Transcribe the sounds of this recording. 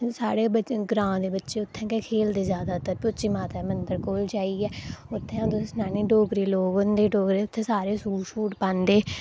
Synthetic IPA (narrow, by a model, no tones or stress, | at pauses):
saːɽeːbəɡɾãːd̪eːbətːʃeːʊt̪ʰːɛ̃ːkekʰeːld̪eːzjaːd̪aːt̪əɾpoːt͡ʃiːmaːt̪aːmənd̪əɾkoːld͡ʒaːiːɛːʊt̪ʰːɛ̃ːd̪snaːnẽːɖoːɡɾiːloːɡənd̪eːɖoːɡɾeːʊt̪ʰːẽːsaːɾeːsuːʃuːʈpãːnd̪eː